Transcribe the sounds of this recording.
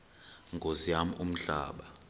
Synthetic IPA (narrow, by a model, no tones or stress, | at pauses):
ŋɡʱoziam̩ʔum̩ɬa̰ːɓa